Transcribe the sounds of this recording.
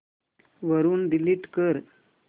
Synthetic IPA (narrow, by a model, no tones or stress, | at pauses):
ʋəɾuːnɖiliːʈkəɾ